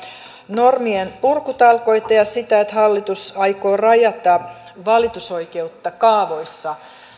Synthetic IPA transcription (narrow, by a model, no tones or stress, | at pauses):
normienpurkut̪ɑlko̞it̪ɑjɑsit̪æet̪hɑlːit̪usɑikoːrɑjɑt̪ɑ | ʋɑlit̪uso̞ikeut̪ːɑkɑːʋoisːɑ